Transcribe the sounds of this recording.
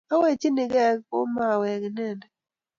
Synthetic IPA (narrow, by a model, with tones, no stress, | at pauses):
a˦we˦˨t͡ʃi˦nɪ˨ɡɛ˦˨ɡo˦ma˨wɛ˨ɡnɛ˦˨nɛ˨